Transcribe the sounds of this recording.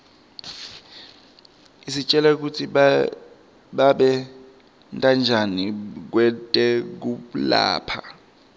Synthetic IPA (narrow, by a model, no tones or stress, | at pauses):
isit͡ʃʼɛlɛk̬utʰi | ɓaɓɛ | ntʼand͡ʒʱanik̬wɛtʼɛk̬uɓula̰ːpʰa̰